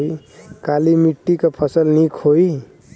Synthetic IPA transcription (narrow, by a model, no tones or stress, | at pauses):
i | kalimiʈːikapʰəsəlnikʰoi